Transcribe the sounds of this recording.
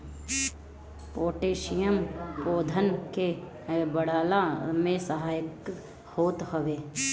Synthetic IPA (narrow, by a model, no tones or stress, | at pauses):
poːʈeːʃijəmpoːd̪ʱənke | bəɽaːlamẽsəɦaːjək | hoːt̪həʋeː